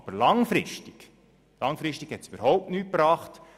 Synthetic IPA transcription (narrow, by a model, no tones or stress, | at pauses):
b̥əɾlɑŋfɾɪʃtik | lɑŋfɾɪʃtikhɛtsybəɾhɔʊp̚tnyːt̚pɾɑːχt